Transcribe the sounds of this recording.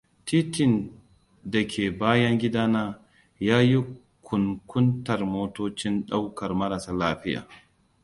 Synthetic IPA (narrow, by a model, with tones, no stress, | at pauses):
tiː˦tɪ˨n | da˨kʲʰeː˨baː˦jɐ˦ŋɡʲɪ˦daː˦naː˦ | jaː˦ji˦ | kʷʰʊ˨ŋkʷʊ˦ntɐ˨rmoː˦toː˦t͡ʃɪ˦nɗa˦wkɐ˨rmɐ˦ɾa˨saː˦laː˦ɸɪ˦ja̰ː˨